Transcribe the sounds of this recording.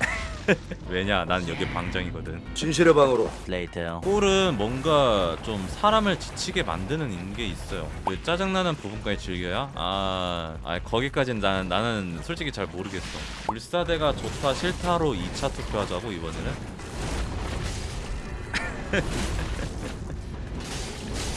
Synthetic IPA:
we̞ɲananɯnjʌɡiepaŋd͡ʑʌŋiɡʌdɯnt͡ɕinɕ̬ʰiɾebaŋɯɾoleitʰejok͈oɾɯnmwʌnɡat͡ɕomsʰaɾamɯɭt͡ɕi̥t͡ɕʰiɡe̞ma̰ndɯnɯninɡeis͈ʌjo̰wet͡ɕ͈ad͡ʑaŋnanɯnpubunk͈ait͡ɕiɭɡjʌjaa̰ | a̰ikʌɡik͈ad͡ʑinnannːanɯnsʰoɭt͡ɕ͈iɡʰit͡ɕaɭmoɾɯɡe̞s͈ʌ | uɭs͈ade̞ɡat͡ɕotʰaɕʰiɭtʰaɾoit͡ɕʰatʰopʰjoɦad͡ʑaɡoibʌnenɯn

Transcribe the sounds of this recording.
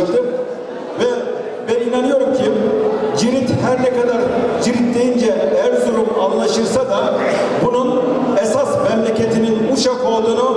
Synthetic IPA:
t̪ʰim | vɛ | vɛinanɯjo̞ɾumcʰid͡ʒiɾit̪hæɾnɛkad̪aɾd͡ʒiɾit̪d̪ejind͡ʒɛɛæɾzuɾumanlˠaʃɯɾsad̪a | bunun | ɛsasmɛmlʲecʰe̞t̪ʰininuʃafaːd̪ˠɯna

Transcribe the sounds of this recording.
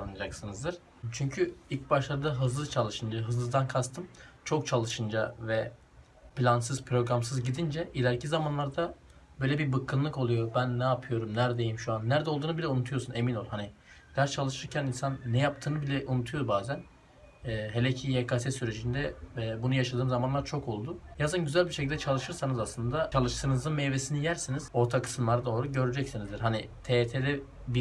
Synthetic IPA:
nad͡ʒaksɯnɯzd̪ɯɾ̥ | t͡ʃʰyɲcʰyilʲc̚baʃlˠaɾɯd̪aɦɯzlˠɯzt͡ʃʰalˠɯʃɯnd͡ʒaɦɯzlˠɯzd̪ankʰast̪ʰɯmt͡ʃʰo̞k̚t͡ʃʰalˠɯʃɯnd͡ʒavɛ | pʰlʲansɯzpʰɾo̞ɡɾamsɯzɟid̪ind͡ʒɛilʲæɾcʰizamanlˠaɾd̪a | bø̞jlʲɛbibɯkʰːɯnlˠɯko̞lˠujobænːɛːpʰɯjo̞ɾumnæɾd̪ejimʃuanːæɾd̪ɛo̞lˠd̪uːnɯbilʲɛunut̪ʰujo̞sune̞minolˠhani | læɾt͡ʃʰalˠɯʃɯɾcʰæninsanːɛjap̚t̪ʰɯːnɯbilʲɛʔunut̪ʰujo̞ɾbaːzæn | ɛːɦelʲecʰijekʰasɛsyɾe̞d͡ʒind̪ɛbunujaʃad̪ɯːmzamanlˠaɾt͡ʃʰo̞ko̞lˠd̪ʊjazɯnɟyzælʲbiɾʃecilʲd̪ɛt͡ʃʰalˠɯʃɯɾsanɯzaslˠɯnd̪at͡ʃʰalˠɯʃt̪ʰɯnɯzɯnmejvesinijæɾsiniz̥o̞ɾt̪ʰakʰɯ̥sɯmlˠaɾad̪o̞ːɾuɟø̞ɾyd͡ʒɛcsinizd̪iɾɦanit̪ʰet̪ʰelʲɛ | bi

